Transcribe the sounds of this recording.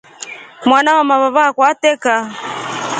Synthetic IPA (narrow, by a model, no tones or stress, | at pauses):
mwanaamaβaβakwatɛka